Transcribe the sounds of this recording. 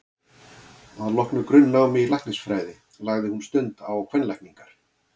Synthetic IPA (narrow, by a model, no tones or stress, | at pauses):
aðlɔhknʏkɾʏnːaːwmɪilajhknɪsfɾaːjðɪ | laɣðɪhunst̪ʏnt̪awkʰvɛnlajkniŋkaɾ̥